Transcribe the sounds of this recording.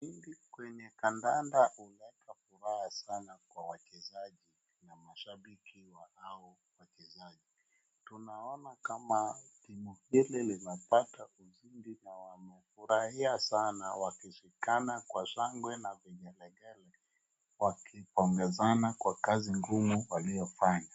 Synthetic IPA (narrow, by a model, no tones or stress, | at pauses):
iŋɡikwɛɲɛkandandaulɛkʰafuɾahasanakwawakɛzaʄi | namaʃaɓikiwahau | wakɛzaʄi | tunaɔnakamatimuhililinapatauzindinawamɛfuɾahiasanawakiʃikanakwasaŋɡwɛnaviɲɛlɛɡɛlɛ | wakʰipɔŋɡɛzanakwakaziŋɡumuwaliɔfaɲa